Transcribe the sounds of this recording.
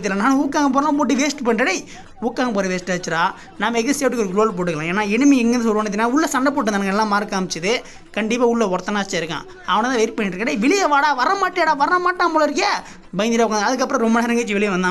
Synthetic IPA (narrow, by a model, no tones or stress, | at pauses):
t̪̬ːɪlɐnaːnɐ̃ukːaːŋɡɐp̬oːɾɐnãpoːʈ̬ːiʋeːsʈɯpoːnɐɽɐɪ | ukːaːɣɐpoːɾɐʋeːsʈaːt͡ʃːɪɾaː | naːmɐɛkːɐɯseːpʈːɯkːɔɾɯkːlɾoːlp̬oːʈ̬ːɯkɐlãːeːnaːɛnɯmeɛŋɡɐnd̪sɔlpɐːɳɪt̪ɪnːaːʊɭːɐsɐɳɖɐp̬oːʈːɯnɐnɐŋɡɐɛlːãːmaːɾkːaːmɐt͡ʃːɯðɯ | kɐɳɖɪpːaːʊɭːɐɔɾt̪ːɐnaːt͡ʃːaːɪɾɯkːã̰ː | ɐʋɐnɐt̪ãːʋɛjɪɾpɐɳːɪʈɾɯkːɐɽɐɪʋɪɭɪjɐʋaːɽaːʋɐɾɐmaːʈːɪaːɽaːʋɐɾɐɐmaːʈːaːmpoːɭɐɪɾɯkːɐ | bɐɪnɪɾaʊkːãnɐðɯkːɐpːɾɔ̃ɾɔmbɐnaːɾɛŋɡɐt͡ʃːɯʋɪɭɪjɐʋɐnd̪ã